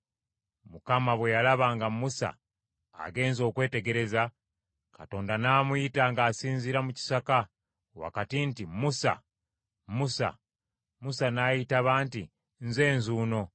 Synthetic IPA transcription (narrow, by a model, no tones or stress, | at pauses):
mukamaβwe̞jalaβaŋɡamusa̰ː | ɡe̞ːnzo̞ːkwe̞ːte̞ɡe̞ɾe̞za | kato̞ːndanaːmujitaŋɡaːsiːnziɾamuci̥saka | wa̰katintimusa̰ | musa̰ | musanaːjitaβaːnti | nze̞ːnzuːno̞